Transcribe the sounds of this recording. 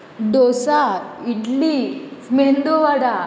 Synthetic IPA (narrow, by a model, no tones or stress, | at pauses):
ɖosaiʈlismend̪oʋaɽa